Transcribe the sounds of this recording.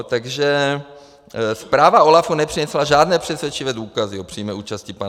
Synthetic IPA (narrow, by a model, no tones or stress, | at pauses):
t̪aɡʒɛ | spɾaːvao̞lafunɛpr̥inɛslaʒaːdnɛːpr̥ɛsvjɛt͡ʃivɛːduːkazio̞pr̥iːmɛʔuːt͡ʃascipa